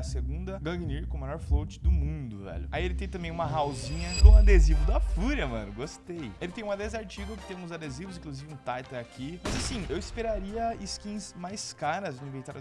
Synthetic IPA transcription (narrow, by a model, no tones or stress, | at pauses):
ɐseɡũnd̪ɐɡɐ̃ɡniɾkõmajɔɾflowt͡ʃɪ̥d̪ʊmũd̪ʊvɛ̰ʎʊaielɪt̪ẽj̃t̪ɐ̃mbẽj̃ũmɐɦawzĩɲɐkõad̪ezivʊd̪ɐfuɾɐmɐ̃nʊɡost̪ejelɪt̪ẽj̃ũad̪ezaɾt͡ʃiɡɐkɪ̥t̪ẽmʊ̃zad̪ezivʊzĩkluzivɪũt̪ajt̪ɐakʰimɐzasĩewispeɾaɾiɐɪskĩsmajskaɾɐz̃ĩvẽt̪aɾ